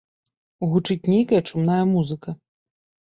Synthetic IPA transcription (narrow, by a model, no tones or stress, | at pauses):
ɣut͡ʂɨt͡sʲnʲejkɐjɐt͡ʂumn̪ajɐmuzɨkɐ